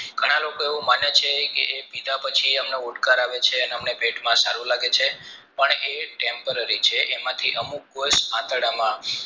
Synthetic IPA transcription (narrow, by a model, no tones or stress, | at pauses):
ɡ̥ʱəɽ̃ãlokoeʋũmanjet͡ʃʰekḛʔepid̪ʱapət͡ʃʰiəmnouʈkaɾaʋet͡ʃʰeəneəmnepeʈmãsaɾũlaɡet͡ʃʰepəɳeʈempəɾəɾit͡ʃʰeʔemãt̪ʰiʔəmuk̚ːosãt̪əɽamã